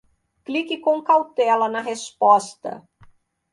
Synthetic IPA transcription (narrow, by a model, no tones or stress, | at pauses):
klikɪkõw̃kawt̪ɛlɐnɐɦespɔst̪ɐ̰